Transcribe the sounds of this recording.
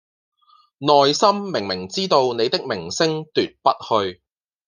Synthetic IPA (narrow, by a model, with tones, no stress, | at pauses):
nɔː˨jsɐ˥mːɪ˨˩ŋmɪ˨˩ŋt͡siː˥t̪o˧wne˨˧jt̪ɪ˥k̚mɪ˨˩ŋsɪ˥ŋt̪yː˨t̚pɐ˥t̚hɵ˧ɥ